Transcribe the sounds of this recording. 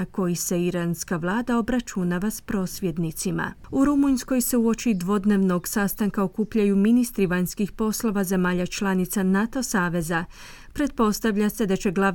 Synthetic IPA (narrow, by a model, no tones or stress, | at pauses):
ko̞jise̞iɾanskaʋlˠaːd̪ao̞bɾat͡ʃunaʋaspɾo̞ːsʋje̞d̪nit̪sima̰uɾumuɲsko̞jse̞uo̞t͡ʃid̪ʋo̞d̪ne̞ːʋno̞ɡsast̪aŋkaokuːpʎajuminist̪ɾiʋaɲskixpo̞slˠo̞ʋaze̞maːʎat͡ʃlˠanit̪sanat̪o̞saːʋe̞za | pɾe̞d̪̚po̞st̪aʋʎase̞d̪at͡ɕe̞ɡlˠa